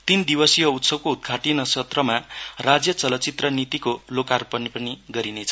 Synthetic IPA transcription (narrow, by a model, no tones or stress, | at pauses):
t̪ind̪ibʌsijʌut̪sʌb̚koud̪̚ɡʰʱaʈinʌsʌt̪rʌmarad͡zjʌt͡sʌlʌt͡sit̪rʌnit̪ikolokarpʌnipʌniɡʌɾinet͡sʰʌ